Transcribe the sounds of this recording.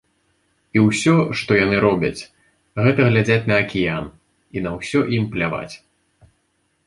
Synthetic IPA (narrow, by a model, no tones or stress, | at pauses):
iwsʲɔʂt̪ɔjanɨɾɔbʲɐ̰t͡sʲ | ɣɛt̪ɐɣlʲad͡zʲat͡sʲnɐːkʲijan | inɐwsʲɔʔimplʲava̰t͡sʲ